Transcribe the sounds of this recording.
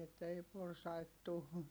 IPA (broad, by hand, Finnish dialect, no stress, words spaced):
etːæ ei porsɑit tu